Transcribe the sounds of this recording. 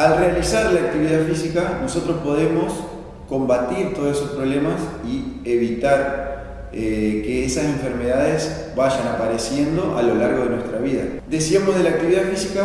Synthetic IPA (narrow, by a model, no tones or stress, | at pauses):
alrealisaɾlaːk̚t̪iβiðafisikano̞so̞t̪ɾospo̞ðe̞mo̞s | ko̞mbat̪iɾt̪o̞ðsesospɾo̞βle̞masie̞βit̪aɾ | ekeesasẽ̞ɱfe̞ɾme̞ðaðes | βaʒanapaɾesje̞nd̪o̞ʔa̰lo̞laɾɣo̞ð̞e̞nwe̞st̪ɾaβiða̰d̪e̞siamozðe̞laːk̚t̪iβiðafisika